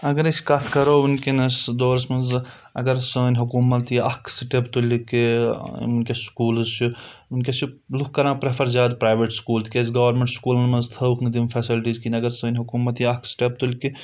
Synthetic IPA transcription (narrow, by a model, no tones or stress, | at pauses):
ɐɡɐɾɐskɐt̪ʰkɐɾounkenɐsd̪oːɾsmɐnz | ɐ̰ɡɐɾsəːnʲɦukuːmɐt̪jiɐ̰kʰsiʈept̪ulʲkḭunkeskuːlzt͡ʃʰu | unkʲesʰilukːɐɾãːpɾepʰɐɾzʲjaːd̪pɾaːjʋeʈskuːlt̪ʰkezɡɐːʋɐɾmẽɳʈskuːlnmɐnzt̪ʰɐwkʰnd̪imfʰɛːsilʈiːzkinʲɐɡɐɾsɐːnʲɦukuːmɐt̪jiɐkʰsi̥ʈep̚t̪ulʲki